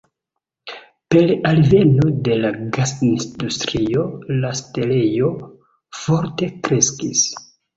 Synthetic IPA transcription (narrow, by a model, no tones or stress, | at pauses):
pe̞lalve̞no̞de̞laɡasisdustɾio̞laste̞le̞jo̞ | fo̞ɾte̞kɾe̞skis